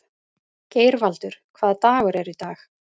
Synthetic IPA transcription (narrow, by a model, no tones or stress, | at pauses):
ceːjɾvalt̪ʏɾ̥kʰvaːðt̪aːɣʏɾɛɾit̪aːx